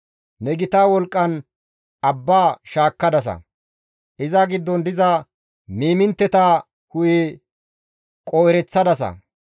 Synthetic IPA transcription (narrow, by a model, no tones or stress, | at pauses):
nɛɡɪt̪aːwɔlkʼːɐn | ɐbːaːʃaːkːɐd̪ɐs̬ɐ̰ | ʔɪzɐɡɪd̪ːɔnd̪ɪzɐ | miːmɪnt̪ːɛt̪aː | hʊje | kʼoːjɾɛt͡sːɐd̪ɐsɐ̰